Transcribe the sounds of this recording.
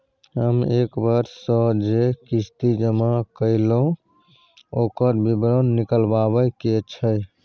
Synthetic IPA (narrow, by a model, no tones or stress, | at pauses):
ɦəmekbəɾsɔd͡ʒekist̪id͡ʒəmakəɪlõ | okəɾbibɾənːikəlbaβəjket͡ʃʰəj